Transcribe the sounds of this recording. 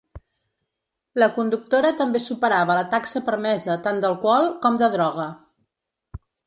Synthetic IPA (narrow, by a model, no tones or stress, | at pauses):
ləkund̪uk̚t̪oɾət̪əmbesupəɾaβ̞ələt̪aksəpəɾmɛzət̪and̪əlˠkwɔlˠkɔmd̪əðɾɔɣ̞ə